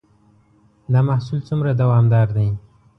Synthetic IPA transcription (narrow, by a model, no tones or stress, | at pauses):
d̪ɑmahsult͡sumɾad̪awɑmd̪ɑɾd̪aj